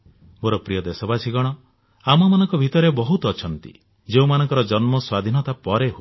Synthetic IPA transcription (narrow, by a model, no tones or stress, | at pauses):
moɾɔpɾijɔd̪esɔbasiɡɔɽ̃ɔ | amɔmanɔŋkɔbʱit̪ɔɾebɔɦut̪ɔːt͡ʃʰɔnt̪ḭ | d͡ʒeũmanɔŋkɔɾɔd͡ʒɔnmɔswad̪ʱinɔt̪apɔɾeɦo